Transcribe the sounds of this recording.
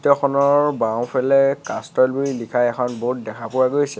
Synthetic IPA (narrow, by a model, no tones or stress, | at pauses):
tɔxʰɔnɔɹbaw̃pʰɛlɛkastɔlbuɹilikʰajɛkʰɔnboɦut̚dɛkʰapʊwaɡojsɛ